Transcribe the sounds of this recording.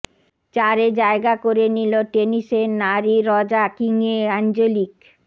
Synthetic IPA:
t͡ɕaɾed͡ʑaeɡakoɾeniloʈenisenaɾiɾɔd͡ʑakiŋeand͡ʑolik

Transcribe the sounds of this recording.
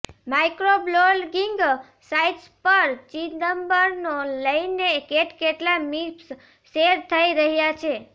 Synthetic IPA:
majkɾoblolɡiŋɡ | saiʈspəɾt͡ʃinəmbəɾnoləjnekeʈkeʈlamips | seɾt̪ʰəiɾəɦjat͡ʃʰe

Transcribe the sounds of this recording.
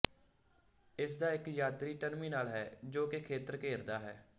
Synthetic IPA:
ɪsd̪aːɪkjaːt̪ɾiːʈənmiːnaːlɦɛːd͡ʒoːkekʰeːt̪əɾkeːɾd̪aːɦɛ̰ː

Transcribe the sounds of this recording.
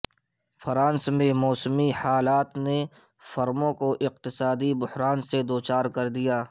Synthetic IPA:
fʰəɾãːnsmẽmɔːsmihaːlaːt̪ne | fɐɾmõkoʔɪq̚t̪ɪsaːd̪ibʊhɾaːnsed̪oːt͡ʃaːɾkɐɾd̪ijaː

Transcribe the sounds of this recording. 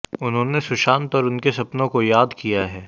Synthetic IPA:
ʊnɦõːnesʊʃaːnt̪ɔːɾʊnkesɐpnõkojaːd̪kijaɦɛː

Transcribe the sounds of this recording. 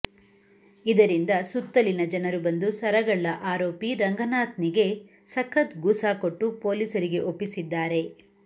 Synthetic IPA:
id̪ɐɾind̪ɐsut̪ːɐlinɐd͡ʒɐnɐɾubɐnd̪usɐɾɐɡɐɭːɐʔaːɾoːpiɾɐŋɡɐnaːt̪niɡe̞ | sɐkʰːɐt̪ɡuːsaːkoʈːupoːliːsɐɾiɡe̞ʔopːisid̪ːaːɾe̞

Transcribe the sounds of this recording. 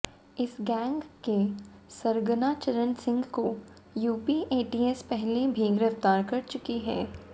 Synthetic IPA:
ɪsɡɛ̃ːŋɡkesɐɾɡnat͡ʃɐɾə̃nsɪ̃ŋɡko | juːpiʔeːʈiːɛspɛɦlebʱiɡɪɾəft̪aːɾkɐɾt͡ʃʊkiɦɛ̰ː

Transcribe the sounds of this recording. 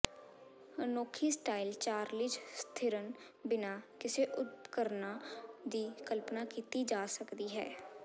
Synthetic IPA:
noːkʰiːsʈaːɪlt͡ʃaːɾlɪd͡ʒst̪ʰɪɾən | bɪnaːkɪseːʔʊt̪̚kəɾnad̪iːkəlpnaːkiːt̪iːd͡ʒaːsəkd̪iːɦɛ̰ː

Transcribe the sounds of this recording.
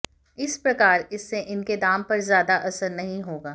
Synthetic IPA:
ɪspɾɐkaːɾɪsːeʔɪnked̪aːmpɐɾzjaːd̪aʔɐsəɾnɐɦĩɦoːɡaː

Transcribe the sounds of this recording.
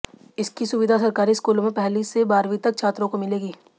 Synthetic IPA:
ɪskisʊʋɪd̪ʱasɐɾkaːɾiskuːlmẽpɛɦlisebaːɾʋit̪ɐk̚t͡ʃʰaːt̪ɾõkomɪleːɡiː

